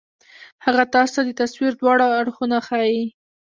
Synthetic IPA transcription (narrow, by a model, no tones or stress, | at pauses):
haɣat̪ɑst̪ad̪ət̪aswiɾd̪wɑɽaːɽxunaxɑji